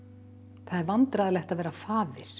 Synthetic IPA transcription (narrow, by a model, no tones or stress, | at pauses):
θaðvant̪ɾaðlɛjht̪aðvɛːɾafaːvɪɾ̥